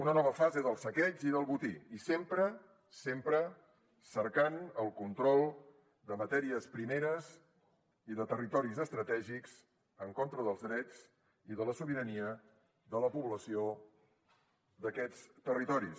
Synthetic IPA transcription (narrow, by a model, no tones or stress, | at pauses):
unənɔβ̞əfazeðəlˠsəkɛziðəlˠβut̪iisempɾə | sempɾə | səɾkanəlˠkunt̪ɾɔlˠ | d̪əmət̪ɛɾiəspɾimeɾəz | iðət̪ərit̪ɔɾizəst̪ɾət̪ɛʒikz̥ | əŋkont̪ɾəðəlˠzðɾɛd͡z | iðələsuβiɾəniə | ðələpuβləsio | d̪əkɛt͡st̪ərit̪ɔɾis